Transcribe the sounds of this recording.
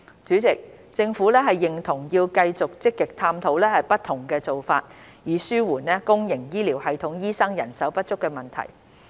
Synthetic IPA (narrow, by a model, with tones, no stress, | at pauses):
t͡ʃyː˨˥t͡sɪ˨k̚ | t͡sɪ˧ŋfu˨˥lɛː˥ɦɐ˨jːɪ˨˩ŋt̪ʰʊ˨˩ŋjiː˧wkɐ˧jt͡sʊ˨k̚t͡sɪ˥kːɪ˨k̚t̪ʰaː˧mt̪ʰo˨˥wlɛː˥hɐ˨jpɐ˥t̪ʰːʊ˨˩ŋkɛː˧t͡so˨wfaː˧t̚ | jiː˨syː˥wuː˨˩nlɛː˥kʊ˥ŋjɪ˨˩ŋjiː˥liː˨˩whɐ˨jt̪ʰʊ˨˥ŋjiː˥sɐ˥ŋjɐ̰˨˩nsɐ˨˥wpɐ˥t̚t͡ʃʊ˥kːɛː˧mɐ˨nt̪ʰɐ̰˨˩j